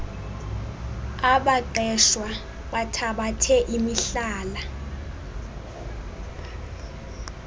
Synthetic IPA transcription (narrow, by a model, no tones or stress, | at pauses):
aɓaǃɛʃwa | ɓatʰaɓatʰɛʔimiɬaːla